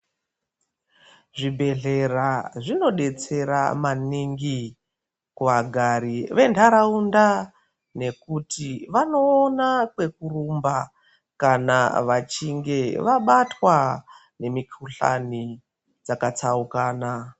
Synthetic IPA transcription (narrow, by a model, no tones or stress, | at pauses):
ʐibʱe̞ɮe̞raʐino̞ɗe̞t͡se̞ɾa̰maniŋɡi | kuʋaɡʱaɾiʋe̞ntʰaɾaunda | ne̞kutiʋano̞ːnakwe̞kurumba | kana̰ʋat͡ʃiŋɡe̞ʋaɓatwa | ne̞mikʰuɬa̰ni | d͡zakat͡saukaːna